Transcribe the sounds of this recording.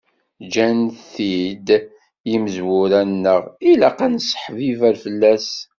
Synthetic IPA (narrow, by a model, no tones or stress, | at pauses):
d͡ʒænθid̪ | jiməzwʊɾænːəʁilæqansə̥ħvivæɾfəlːæs